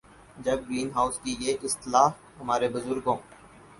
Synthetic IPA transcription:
d͡ʒəbɡɾiːnɦaːʊskijeːʔɪst̪ɪlaːf | ɦəmaːɾeːbʊzʊɾɡõː

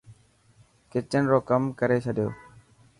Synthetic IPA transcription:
kɪt͡ʃːənɾoːkəmkəɾeːt͡ʃʰəɖjo̰ː

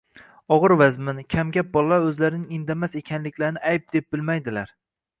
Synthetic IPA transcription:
ɒʁɨɾvazmɪnkʲʰamɡʲap̚bɒlˠaɵzlaɾɪnɪŋɪnd̪amase̞kʲʰanlɪkʲlaɾnɪʔajp̚d̪e̞p̚b̥ɪlmajd̪ɪlaɾ

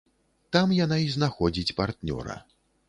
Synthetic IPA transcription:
t̪amjanaiznaxɔd͡zʲit͡sʲpart̪nʲɔ̰ɾɐ̰

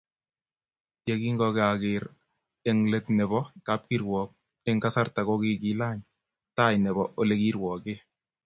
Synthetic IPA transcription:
jekiŋɡɔkakɪɾ | ɛŋletnɛbɔkap̚kiɾwɔːk̚ | ɛŋkasartakɔkikilaːɲ | tajnɛbɔʔolekiɾwɔke

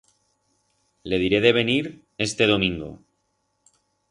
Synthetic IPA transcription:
le̞ðiɾe̞ðe̞βe̞niɾ | e̞st̪e̞ðo̞mĩŋɡo̰

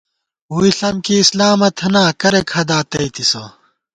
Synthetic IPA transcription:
uiɬɐmkiːslaːmɐt̪ʰɐnaːkɐɾekʰɐd̪aːt̪ɐit̪iso̰

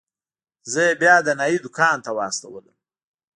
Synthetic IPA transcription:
zəjebjɑd̪ənajid̪ʊkʰɑːnt̪awɑːst̪awələm

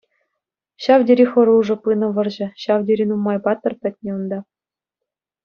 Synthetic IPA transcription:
ɕɑʋdʲeɾʲixɤ̆ɾuʐɤ̆pɯnɤ̆ʋɤ̆rʑɘ̆ɕɑʋdʲeɾʲinumːɑjpɑt̪ːɤ̆rpʲɘ̆t̚ʲnʲĕund̪ɑ

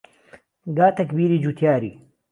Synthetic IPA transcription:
ɡaːt̪ɐkbiːɾiːd͡ʒut̪ʰjaːɾḭː

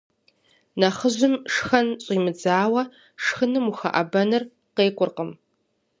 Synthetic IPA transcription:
nɐχəʑʷɨmʂxɐnɕʼiːmɨd͡zaːwɐ | ʂxɨnɨmuxɐ̰ʔɐ̰bɐnɨr | qeːkʷʼʊrqəm

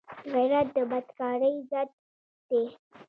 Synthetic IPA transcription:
ɣajɾat̪̚d̪əbad̪kɑɽəjzad̪̚ | d̪̥e

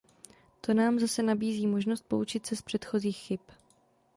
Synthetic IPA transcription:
t̪o̞naːmzasɛnabiːziːmo̞ʒnost̪̚po̞ut͡ʃɪt̪sɛspr̥ɛt̪xo̞ziːxxɪp

